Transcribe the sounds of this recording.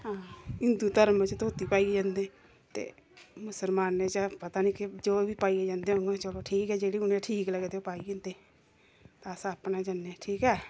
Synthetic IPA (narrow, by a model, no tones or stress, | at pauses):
ɦãːɪnd̪uːt̪əɾmt͡ʃt̪oːt̪iːpaːieːd͡ʒãːnd̪eː | t̪ḛː | mʊsəlmaːnːeːt͡ʃəpət̪aːnĩːkɪd͡ʒoːʋiːpaːieːd͡ʒãːnd̪eːɦõŋɡãt͡ʃəloːʈʰiːkɦɛːd͡ʒeːɽiːʊnẽʈʰiːkləɡeːt̪eopaːiːẽːnd̪eː | t̪ãːəsãːəpnaːd͡ʒənːeːʈʰiːkɦɛː